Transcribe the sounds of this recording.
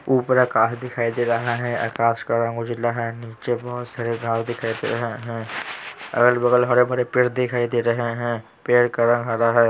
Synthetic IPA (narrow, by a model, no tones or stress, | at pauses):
uːpɾakaːsd̪ɪkʰaːid̪eɾɐɦaɦɛ̃a̰kaːskəɾə̃ŋɡʊd͡ʒlaɦɛniːt͡ʃebɔːʊt̪saːɾeɡʱaːɾd̪ɪkʰaːid̪ḛɾɐɦeɦɛ̃ | ɐ̰ɡəlbɐɡəlɦɐɾebɐɾepɪɾd̪ɪkʰaːid̪eɾɐɦeɦɛ̃ | peːɾkəɾə̃ŋɡɦɐɾaɦɛː